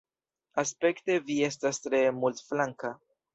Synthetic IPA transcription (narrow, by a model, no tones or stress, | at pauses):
aspe̞kte̞vie̞s̬tastɾe̞multflaŋka